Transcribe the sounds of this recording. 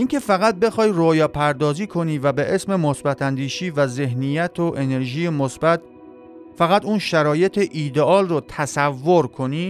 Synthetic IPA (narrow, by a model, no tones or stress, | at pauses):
ʔiːŋcʰe̞fæɣæt̪̚be̞xɒːjrojɒːpʰæɾd̪ɒːziːkʰo̞niːvæbe̞ʔesme̞mosbæt̪ʰænd̪iːʃiːvæze̞hnijæt̪ʰoʔe̞ne̞ɾʒiːjemosbæt̪̚ | fæɣæt̪uːnʃæɾɒːje̞t̪ʰeʔiːd̪eʔɒːlrot̪ʰæsævːoɾkʰo̞niː